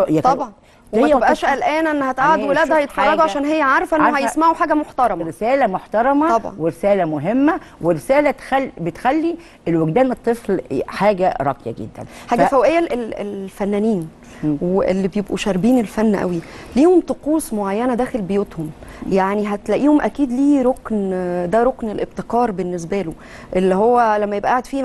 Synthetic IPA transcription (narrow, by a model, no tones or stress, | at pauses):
t̪ɑbʕɑn | wemæebʔæːʃʔælʔæːnʔenːhæt̪ʔaʕad̪welæːd̪hæjet̪ħɑrˤːɑɡ̪uʕaʃæːnɦejːæʕɑɾˤɑfʔeohæjesmaʕuħaːɡæmoħt̪ɑɾˤɑmɾesæːlæmoħt̪ɑɾˤɑmæɑbʕɑ̰weɾesæːlæmoɦemːæweɾesæːlæt̪xælːbet̪xælːi | elweɡd̪æːnɨt̪ˤːeflħaːɡæɾˤɑ̰qjæ̰ɡḛd̪ːæ̰nħaːɡɡæfæwæʔejːæelelfænːæniːn | wʔḛlːibjebʔuʃæɾˤbiːnelfænːʔæ̰wiliːhomt̪ˤoquːsˤmoʕajːænæd̪æːxelbejuːt̪homjaʕniɦæt̪læʔiːhomʔækiːd̪liːɾoknd̪æɾˤoknelʔeb̚t̪ekɑːɾˤbenːes̬bæːlo | ʔelːihowːælæmːæjebʔæʔaʕed̪fiː